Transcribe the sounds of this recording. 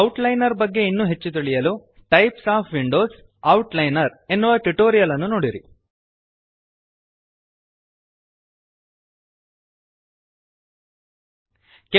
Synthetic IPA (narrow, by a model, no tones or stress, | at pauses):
ɐwʈlɐjnɐɾbɐɡːe̞inːuɦe̞t͡ʃːut̪iɭijɐluʈɐjpsaːpʰʋiɳɖoːs | ɐwʈlɐjnɐɾe̞nːuʋɐʈuʈoːɾijɐlɐnːunoːɽiɾi | ke